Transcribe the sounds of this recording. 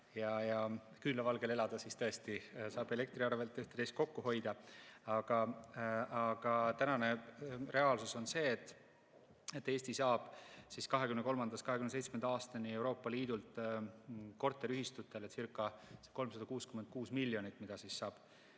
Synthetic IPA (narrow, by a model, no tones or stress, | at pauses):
jɑjɑ | kylɑvɑlɡ̥e̞le̞lɑd̪̥ɑsist̪ɤ̞est̪isɑːb̥e̞le̞k̚t̪riɑrve̞lt̪ːˑyht̪e̥est̪̚ko̞kːuɦo̞jd̪̥ɑɑɡ̥ɑ | ɑɡ̥ɑt̪ænɑne̞re̞ɑːlsuso̞nse̞ːt̪ːˑ | et̪ːe̞ːst̪isɑːb̥siskɑɦekymneko̞lmɑnd̪̥ɑskɑhekymnse̞jt̪sme̞nd̪̥ɑɑːst̪ɑnie̞uwɾo̞ːpːˑɑliːd̪ult̪ˑ | ko̞rt̪ːˑeɾyhist̪ut̪ːˑe̞let̪sirkːˑɑseko̞lmsɑd̪̥ɑkuːskymen̚kuːsmilːjo̞nit̪ːˑmid̪̥ɑsissɑːb̥